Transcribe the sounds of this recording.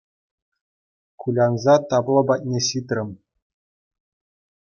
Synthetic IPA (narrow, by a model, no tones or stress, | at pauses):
kulʲɑnzɑt̪ɑplˠɤ̆bɑt̪̚ʲnʲeɕit̪rʲɘ̆m